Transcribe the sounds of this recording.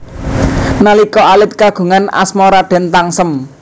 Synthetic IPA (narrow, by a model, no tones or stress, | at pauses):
nalikɔalɪt̪̚kaɡ̥ṳŋana̰smɔɾad̪̥ɛ̤nt̪aŋsəm